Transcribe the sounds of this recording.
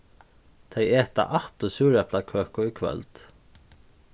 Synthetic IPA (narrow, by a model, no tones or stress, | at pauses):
t̪ʰɛjɛːht̪a̰ʔaht̪ʊsuːɾɛplakʰœːkʊikʰvœ̰lt̪